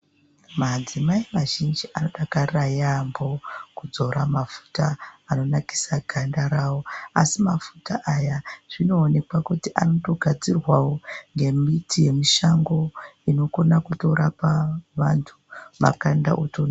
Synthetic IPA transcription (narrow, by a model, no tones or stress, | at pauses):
mad͡zimaimaʒind͡ʒiʔano̞ɗakarajambo̞kud͡zo̞ɾamafu̥taano̞naki̥saɡʱandaɾawo̞asimafutaʔajaʐ̥ino̞ːne̞kwakutiʔano̞to̞ɡʱad͡zirwawoŋɡe̞mitije̞miʃaŋɡo̞ino̞ko̞nakuto̞ɾapaʋantʰuma̰kanda̰ʔotona